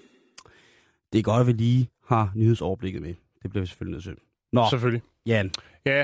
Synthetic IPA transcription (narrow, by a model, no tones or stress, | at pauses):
d̥e̝ɡ̥ɒ̽dʋiliː | hɑ̈nyhe̝ð̞ˠsɒʊɐb̥le̝ɡ̥ð̩ˠme | d̥e̝b̥liɐʋise̥følineðˠsøn̰ | nɒsefølli | jæ | jæ